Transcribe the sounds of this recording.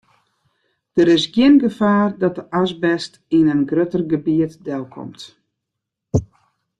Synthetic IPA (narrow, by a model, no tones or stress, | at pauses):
d̥əɾɪsɡjɪnɡəfaːrdɔt̚əʔasbɛst | inənɡrøtərɡəbiətdɛlˠkʰɔ̰mt